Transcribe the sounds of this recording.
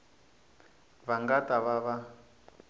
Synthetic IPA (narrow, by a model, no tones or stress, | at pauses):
βaŋɡataβaβa